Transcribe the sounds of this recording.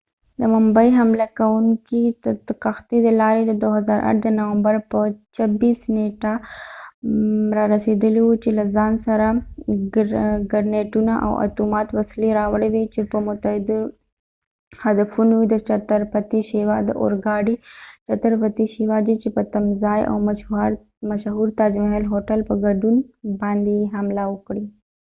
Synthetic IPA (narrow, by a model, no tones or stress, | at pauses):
d̪əmʊmbajɦamlakawuŋkiqaxt̪id̪əlɑɾed̪əd̪oɦazɑɾʔa̰ʈ̚d̪ənawambaɾpət͡ʃabisneʈa | ɾɑɾased̪əliwut͡ʃelazɑnsaɾa | ɡaɾneʈunaʔa̰wa̰t̪umɑt̪wasleɾɑwəɽewet͡ʃepəmʊt̪ahɪd̪u | hɐd̪ɐfunuid̪ət͡ʃɐt̪əɾpɐt̪iʃiʋad̪əʔo̰ɾɡaːɖit͡ʃɐt̪əɾpɐt̪iʃiʋad͡ʒet͡ʃipət̪ɐmzaːjʔa̰waɾ | mɐʃɦuːɾt̪aːd͡ʒmɐɦelɦoːʈəlpəɡɐɖunbãːnd̪ijɦɐmlawəkɽi